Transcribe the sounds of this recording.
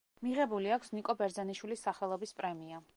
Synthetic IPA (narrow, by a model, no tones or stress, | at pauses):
miʁɛbuliakʷʰsnikʼɔbɛɾd̪zaniʃwilisːaχɛlˠɔbispʼɾɛmia